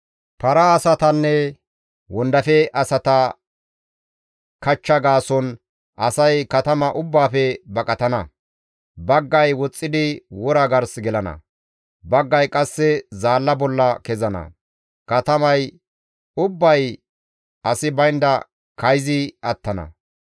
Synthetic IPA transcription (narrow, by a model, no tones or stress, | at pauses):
pɐɾɐːsɐt̪ɐnːɛ | wɔnd̪ɐfɛʔɐsɐt̪ɐ | kɐt͡ʃːɐɡaːsɔn | ʔɐsɐjkɐt̪ɐmɐʔʊbːaːfɛbɐkʼɐt̪ɐnɐ̰ | bɐɡːɐjwɔt͡sʼːɪd̪ɪwɔɾɐɡɐɾsɡɛlɐnɐ̰ | bɐɡːɐjkʼɐsːɛzaːlːɐbɔlːɐkɛzɐnɐ̰ | kɐt̪ɐmɐj | ʊbːɐj | ɐsɪbɐjnd̪ɐ | kɐjzɪɐt̪ːɐnɐ̰